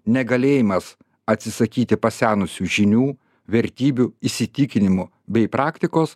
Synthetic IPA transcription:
nʲɛɡɐlʲeːjɪmɐs | ɐt̪ʲsʲɪsɐkʲiːt̪ʲɪpɐsʲæːnʊsʲuːʒʲɪnʲuː | ʋʲɛɾʲt̪ʲiːbʲuɪsʲɪt̪ʲɪkʲɪnʲɪmʊ | bʲɛɪpɾɑːkt̪ʲɪkoːs

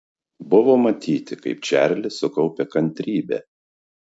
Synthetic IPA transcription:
bʊʋoːmɐt̪ʲiːt̪ʲɪkɐɪp̚t͡ʃʲæˑɾʲlʲɪsʊkɒʊpʲɛkɐnʲt̪ʲɾʲiːbʲɛ̰ː

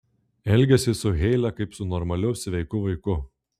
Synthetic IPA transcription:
ɛlʲɡʲɛsʲɪsʊɣʲɛɪlʲɛkɐɪpsʊnɔɾmɐlʲɛʊsʲʋʲɛɪkʊʋɐɪkʊ

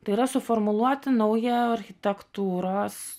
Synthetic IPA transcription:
t̪ɐɪiːɾɐsʊfɔɾmʊlˠuɔt̪ʲɪnɐʊjɛɐɾʲxʲɪt̪ʲɛkt̪uːɾoːs

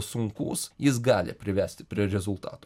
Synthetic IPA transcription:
sʊŋkṵːsjɪs̬ɡɑːlʲɪ̰pʲɾʲɪʋʲæːsʲt̪ʲɪpʲɾʲiɛɾʲɛzʊlˠt̪ɑ̰ːt̪oː

